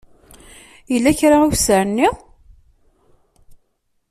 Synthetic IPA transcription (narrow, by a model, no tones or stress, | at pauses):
jəlːæçɾaæwsəɾnːiʁ